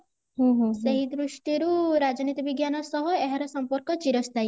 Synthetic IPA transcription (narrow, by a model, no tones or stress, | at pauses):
ɦũɦũseɦid̪ɾuʃʈiɾuɾad͡ʒɔnit̪ibiɡjanɔsɔɦɔeɦaɾɔsɔmpɔɾkɔt͡ʃiɾɔst̪aj